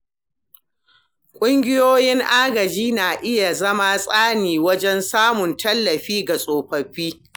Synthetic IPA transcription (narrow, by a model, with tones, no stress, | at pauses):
kʷʼʊ˦ŋɡʲɪ˦joː˦jɪ˦ŋʔaː˦ɡɐ˨d͡ʒiː˦naː˨ʔɪ˦ja˨zɐ˦ma˦sʼaː˦niː˨wɐ˦d͡ʒɛ˦nsaː˦mʊ˨ntɐ˦lːɐ˨ɸiː˦ɡa˨sʼoː˨ɸɐ˨ɸiː˦